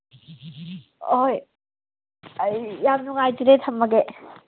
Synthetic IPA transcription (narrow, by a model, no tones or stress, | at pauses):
oj | jːamnuŋajtiɾetʰɐmːɐɡe